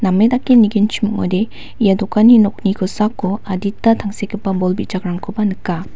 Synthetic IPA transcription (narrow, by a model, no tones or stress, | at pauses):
namːedakːeniɡint͡ʃʰimukɔ̰jde | ijadɔkaninɔk̚niɡʰɔsakːɔaditːatʰaŋsekʰipːabɔlbit̚d͡ʒakɾaŋkʰɯbanɯkːa